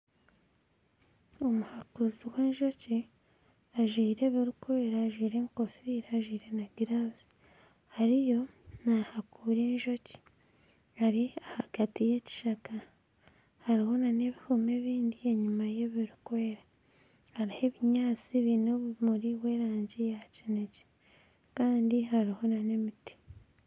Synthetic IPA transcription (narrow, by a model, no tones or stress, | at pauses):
omuhakuziwe̞ːnʒo̞ci | aʒwiːɾe̞βiɾukweːɾaːʒwiːɾe̞ŋko̞fiɾaːʒwiːɾe̞naɡiɾazi̥ | haɾijo̞nahakuːɾeːnʒo̞ci̥ | haɾiahaɡ̥atije̞ci̥ʃaka | haɾiho̞nane̞βihume̞βiːndie̞ɲumaje̞βiɾukweːɾa | haɾihe̞βiɲaːt͡siβinoβmuɾiwe̞ɾaːɲɟijacinece̥ | kaːndiɦaɾiho̞nane̞miti̥